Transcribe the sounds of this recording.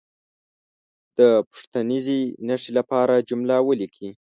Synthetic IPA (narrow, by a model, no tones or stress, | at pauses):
d̪̥əpʊ̥ʂt̪anizinaʂilapɑɾad͡ʒumlawəlikʰi